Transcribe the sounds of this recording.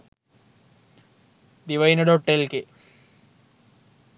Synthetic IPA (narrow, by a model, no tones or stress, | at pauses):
d̪iʋɐjnɐɽoʈːelke